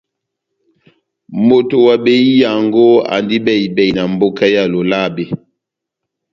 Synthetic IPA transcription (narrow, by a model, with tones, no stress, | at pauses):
mo˨to˨wa˨be˨i˦ja˨ŋɡo˦a̰˨ndi˦bɛ˦˨i˨bɛ˨i˨na˨m˦bo˦ka˦ja˦˨lo˨la˦˨be˨